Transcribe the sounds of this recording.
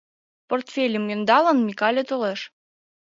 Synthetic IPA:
port̪fʲelʲəmjønd̪ɑlə̆nmʲikɑlʲet̪oleʃ

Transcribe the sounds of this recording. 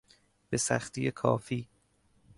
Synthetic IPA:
b̥esæxt̪ʰijekʰɒ̰ːfiː

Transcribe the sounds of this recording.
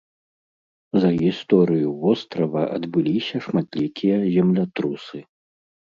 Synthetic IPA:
zɐɣʲist̪ɔɾɨjuvɔst̪ɾɐvɐʔɐd̪bɨlʲisʲɐʂmat̪lʲikʲʰijɐzʲɛmlʲat̪ɾusɨ

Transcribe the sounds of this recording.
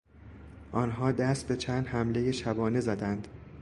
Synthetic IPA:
ʔɒnɦɒːd̪æst̪̚be̞t͡ʃʰæːnd̪hæmle̞jeʃæbɒːne̞zæd̪ænd̪̥

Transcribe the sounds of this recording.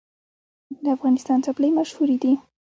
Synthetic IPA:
d̪əafɣɑnɪst̪ɑnt͡sapləjmaʃhuɾid̪i

